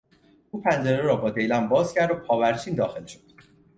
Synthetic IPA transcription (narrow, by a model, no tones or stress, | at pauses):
uːpʰænd͡ʒeɾeɾɒːbɒːd̪e̞jlæmbɒːzcʰæɾd̪opʰɒːvæɾt͡ʃʰiːnd̪ɒːxelʃo̥d̪̥